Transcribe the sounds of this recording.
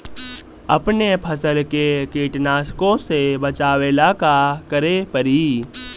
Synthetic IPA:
ɐ̰pnepʰəsəlkekeːʈnaːskõsebət͡ʃaːwelakakəɾepəɾiː

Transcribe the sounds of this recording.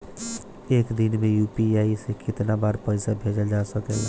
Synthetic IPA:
eːkd̪inmẽjuːpiaːisekɪt̪nabaːɾpəɪsabʱed͡ʒəld͡ʒasəkɛla

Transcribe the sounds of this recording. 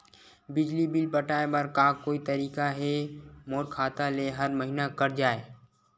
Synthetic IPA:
bɪd͡ʒlibilpəʈaːebəɾkaːkoːit̪ɐɾiːkaɦɛmoːɾkʰaːt̪aleɦɐɾməɦinakɐɾd͡ʒaːe

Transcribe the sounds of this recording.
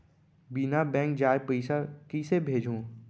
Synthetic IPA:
binabɛ̃ːŋk̚d͡ʒaːjepəɪsakisebʱeːd͡ʒʱũː

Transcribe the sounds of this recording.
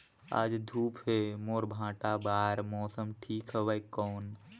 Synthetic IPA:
a̰ːd͡ʒd̪ʱuːpɦemoːɾbʱãːʈabaːɾmɔːsəmʈʰiːkɦəʋəjkɔːn

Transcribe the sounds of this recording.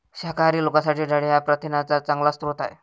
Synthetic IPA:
ɕakaɾiːlokasaʈiːɖaɽejapɾət̪inat͡sat͡saŋɡlast̪ɾot̪a̰j

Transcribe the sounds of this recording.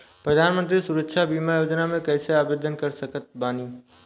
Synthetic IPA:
pɾəd̪ʱaːnmə̃nt̪̬ɾisʊɾəkʃʰabiːmajoːd͡ʒnamẽkɛːseaːbeːd̪ʱənkɐɾsəkət̪̚baːniː

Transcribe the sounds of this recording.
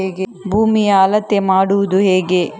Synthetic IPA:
eːɡebʱuːmijaːlɐt̪ːemaːɽuʋud̪uɦeːɡe̞

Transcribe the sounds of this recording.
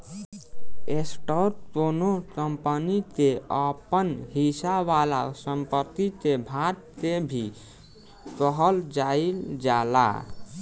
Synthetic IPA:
esʈəɾkonokəmpənit̪eəpənɦisaʋala̰səmpət̪ːit̪ebʱaɾt̪ebʱi | təɦəld͡ʒaild͡ʒala̰

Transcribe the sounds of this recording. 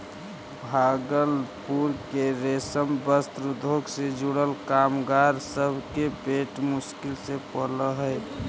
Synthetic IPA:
bʱaɡəlpuɾkeɾesəmbəst̪ɾud̪ʱoɡsed͡ʒuɽəlkamɡaɾsəbʱkepeʈmuskɪlsepələɦəɪ

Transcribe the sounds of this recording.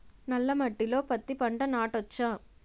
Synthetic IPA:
nɐlːɐmɐʈːɪloːpɐt̪ːipɐɳɖɐnaːʈʋɐt͡ʃːãː

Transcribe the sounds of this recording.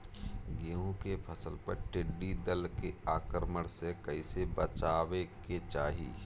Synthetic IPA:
ɡiũkepʰəsəlpə̰ɾʈɪɖːid̪əlkeaːkɾməɽ̃sekəisebət͡ʃaːweket͡ʃaːɦḭː

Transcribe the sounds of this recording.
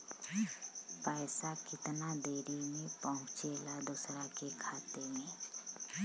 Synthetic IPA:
pɛːsakɪt̪nad̪eːɾimẽpəɦʊ̃t͡ʃelad̪ʊsɾakekʰaːt̪eɦɛ̃ː

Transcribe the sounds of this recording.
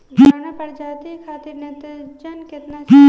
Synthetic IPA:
ɦɐnapɐɽd͡ʒaːt̪ikʰaːt̪ɪɾnẽt̪ɐd͡ʒɐnkɪt̪naɦ

